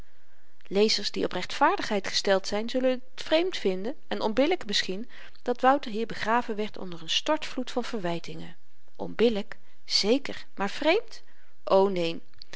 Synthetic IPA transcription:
lejzəɹsdiʔɔprɛχtfaːɹdəχɦɛjtχə̥stɛlˠtsɛjnzɵlənttfrejmtfɪndənɛnɔnbɪləkmɪsχin | d̥ɑtʋʌwtəɹɦiːɹbəχraːvənʋɛɹtɔ̰ndəɹənstɔɹtflutfɑnvəɹʋɛjtɪŋə̰ | ʔɔ̰nbɪlək | z̥ejkəɹmaːɹv̥rejmt | ʔownejn

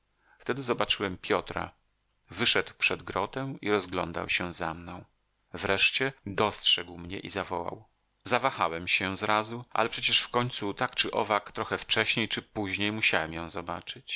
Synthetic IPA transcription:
ft̪ɛd̪ɘzɔbat͡ʂɘwɛmpʲjɔt̪ɾa̰ | vɘʂɛd̪wpʂɛd̪ɡɾɔt̪ɛw̃iɾɔzɡlɔ̰nd̪a̰wɕɛzamnɔ̃w̃ | vɾɛʂt͡ɕɛd̪ɔstʂɛɡwmɲɛ̰ʔizavɔwa̰w | zavaxawɛmɕɛzɾazuʔa̰lɛpʂɛt͡ɕɛʂfkɔɲt̪sut̪akt͡ʂɘʔɔvakt̪ɾɔxɛft͡ʂɛɕɲejt͡ʂɘpuʑɲejmuɕawɛmjɔ̃w̃zɔba̰t͡ʂɘt͡ɕ

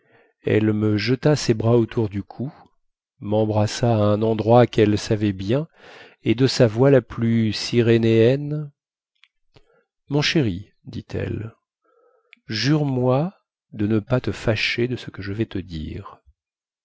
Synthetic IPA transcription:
ɛ̰lməʒət̪asebʁaot̪ʰuʁd̪ykʰu | mɑ̃bʁasaːɛ̃nɑ̃d̪ʁwakɛlsavɛbjɛ̃ | ed̪əsavwalaplysiʁeneɛn | mɔ̃ʃeʁi | d̪it̪ʰɛ̰l | ʒyʁmwa | d̪ənəpat̪əfaʃed̪əsəkəʒəvɛt̪əd̪ḭːʁ

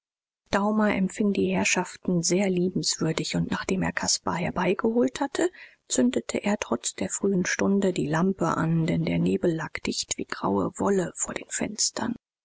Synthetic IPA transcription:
d̥aʊmɐʔɛmfɪŋdiːhɛɐʃaftn̩zeːɐliːbm̩sv̥ʏɐdɪçʊntnaːχd̥eːmḛːɐkʰaspa̰hɛɐbaɪɡəhoːlthatʰə | t͡sʏndətʰəʔeːɐtʁ̥ɔt͡sd̥eːɐfʁ̥yːənʃtʊndədiːlampə̰ʔa̰ndɛndeːɐneːbl̩lːaːkd̥ɪçtv̥ḭːɡ̥ʁa̰ʊə̰vɔləfoːɐdḛːnfɛ̰nstʰɐ̰n

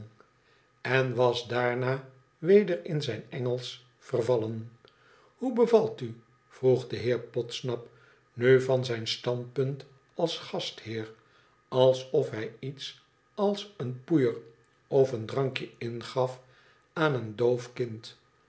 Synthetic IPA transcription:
ɛnʋɑsdaːɹnaː | ʋejdəɾɪnzɛjnɛŋəlˠs | fərvɑlən | hubəvɑlˠty | v̥ruχdəɦɪːɹpɔtsnɑp | nøɥvɑnzɛjnstɑnt̚pɵnt | ɑlˠsχɑsthɪːr | ɑlˠsɔfɦɛjits | ɑlˠsənpujər | ɔfəndrɑŋkjəɪnχɑf | aːnəndowfkɪnt

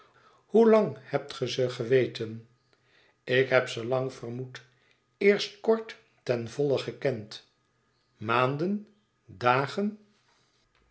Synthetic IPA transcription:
hulɑŋhɛp̚tχəzəχəʋejtʰən | ɪkɦɛpsəlɑŋfərmut | ɪːɹst̚kɔɹt | tɛnvɔləχəkɛnt | maːndən | daːχən

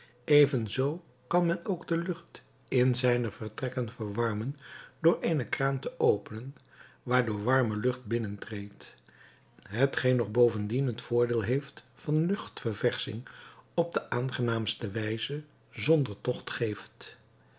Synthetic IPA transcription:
ʔejvənzow | kɑnmɛnowɡdəlɵχt | ɪnzɛjnəv̥əɹtrɛkənvəɹʋɑɹmənd̥ʊːɹejnəkraːntəʔowpənən | ʋaːɹdʊːɹʋɑɹməlɵχt̚bɪnəntrejt | ɦətχejnːɔχbowvəndinɦətfʊːɹdeːlˠɦejftfɑnlɵχtfəɹvɛɹsɪ̰ŋɔb̚dəʔaːnχənaːmstəʋɛjzə | zɔndəɹtɔχtχejft

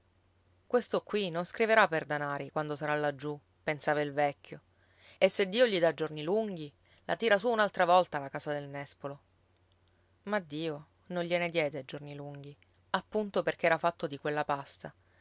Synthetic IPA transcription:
kwest̪okwinonskɾiveɾapːerd̪anaːɾikwand̪osaɾalad͡ʒːu | pensaːvailvɛkʲʰːjo | esːed̪ːiːoʎid̪ad͡ʒorniluŋɡ̟i | lʔa̰t̪iːɾasuːnalt̪ɾavɔlt̪alakaːzad̪elnɛspolo | mad̪ːiːo | nonʎened̪jɛːd̪ed͡ʒorniluŋɡ̟i | apːunt̪operk̟eɛːɾafat̪ːod̪ikwelːapast̪a

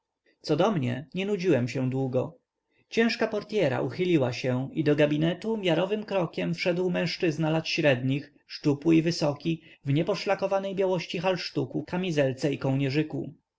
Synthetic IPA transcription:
t̪sɔd̪ɔmɲɛ̰ɲɛnud͡ʑiwɛmɕɛ̃d̪wuɡɔ | t͡ɕɛ̃w̃ʂkapɔɾt̪ʲjɛɾa̰ʔuxɘlʲiwaɕɛid̪ɔɡabʲinɛt̪umʲjaɾɔvɘmkɾɔkʲɛmfʂɛd̪wmɛ̃ʂt͡ʂɘznalat̪ɕɾɛd̪ɲix | ʂtupuivɘsɔkʲivɲɛpɔʂlakɔvanɛjbʲjawɔɕt͡ɕixalʂt̪ukukamʲizɛlt̪sɛikɔwɲɛʐɘkṵ

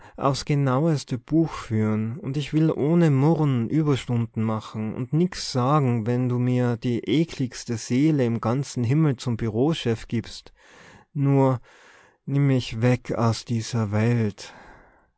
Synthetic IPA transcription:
ʔa̰ʊfsɡ̥ənaʊəstəb̥uːxfyːʁənʊndɪçv̥ɪlʔoːnəmʊʁnʔyːbɐʃtʊndn̩maχn̩ʊ̰ndnɪkt͡sz̥aːɡŋ̩vɛnduːmiːɐd̥iːʔeːkʰlɪçstəz̥eːləɪmɡ̥ant͡sn̩ɦɪml̩t͡sʊmbyʁoːʃɛfɡ̥iːpst | nuːɐ | nɪmɪçvɛkʰa̰ʊsd̥iːzɐvɛlt

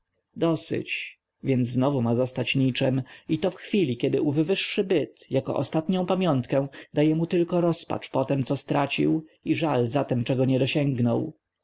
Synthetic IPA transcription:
d̪ɔsɪ̰t͡ɕ | vʲjɛnzznɔvumazɔst̪at͡ɕɲit͡ʂɛmit̪ɔfxfʲilʲikʲɛd̪ɘʔuvɘvɘʂːɘbɘt̪jakɔ̰ʔɔ̰st̪at̪ɲɔ̃w̃pamʲjɔnt̪kɛ̃w̃d̪ajɛmut̪ɘlkɔɾɔspa̰t͡ʂpɔt̪ɛmt̪sɔst̪ɾat͡ɕḭwiʐalzat̪ɛmt͡ʂɛɡɔɲɛd̪ɔɕɛŋɡnɔw

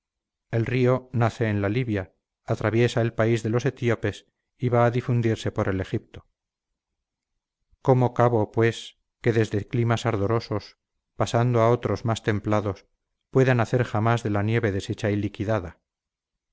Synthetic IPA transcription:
e̞lrio̞naθe̞ːnlaliβjaː | t̪ɾaβje̞sae̞lpaizðe̞lo̞se̞t̪jo̞pe̞s | iβaːðifund̪iɾse̞po̞ɾe̞le̞xip̚t̪o̞ | ko̞mokaβopwe̞s | ke̞ðe̞zðe̞klimasaɾðo̞ɾo̞so̞s | pasand̪oao̞t̪ɾo̞zmast̪e̞mplaðos | pwe̞ðanaθe̞ɾxamazðe̞lanje̞βe̞ðe̞se̞t͡ʃailikiðaða

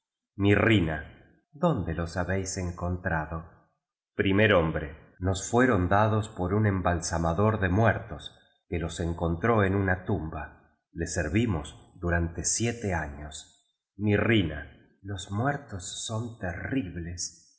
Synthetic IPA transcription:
mirina | ðo̞nd̪elo̞saβejseŋko̞nt̪ɾaðo | pɾimeɾo̞mbɾe | no̞sfweɾo̞nd̪aðo̞spo̞ɾune̞mbalsamaðo̞ɾðemweɾt̪o̞s | keloseŋkont̪ɾo̞enunat̪umba | le̞seɾβimo̞sðuɾant̪esjet̪eaɲos | mirina̰ | lo̞zmwɛɾt̪osːont̪eriβle̞s

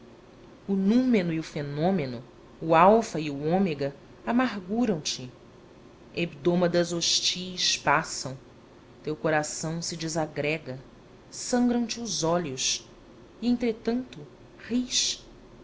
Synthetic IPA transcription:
ʊnũmenʊiʊfenõmenʊː | awfɐiʊõmeɡɐ | amaɾɡuɾɐ̃w̃t͡ʃɪ | ebd̪õmɐd̪ɐzoʃt͡ʃiʃpasɐ̃w̃ | t̪ewkoɾasɐ̃w̃sɪd͡ʒɪzaɡɾɛɡɐ | sɐ̃ŋɡɾɐ̃w̃t͡ʃɪzɔʎʊʃ | iẽnt̪ɾet̪ɐ̃nt̪ʊ | hiʃ

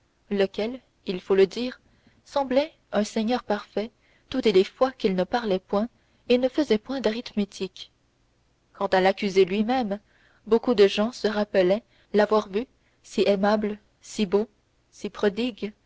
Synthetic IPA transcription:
ləkʲɛl | ilfoləd̪iːʁ | sɑ̃blɛ | œ̃sɛɲœʁpaʁfɛ | t̪ut̪elefwakʲilnəpaʁlɛpwɛ̃ | enəfəzɛpwɛ̃d̪aʁit̪met̪ʰik | kɑ̃t̪alakʲyzelɥimɛm | bokud̪əʒɑ̃səʁapəlɛ | lavwaʁvy | siʔɛmabl | sibo | sipχɔd̪iɡ

